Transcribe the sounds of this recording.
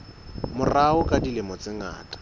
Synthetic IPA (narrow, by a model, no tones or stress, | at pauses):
mʊraʊkʼadilɪmɔt͡sɪŋa̰ːtʼḁ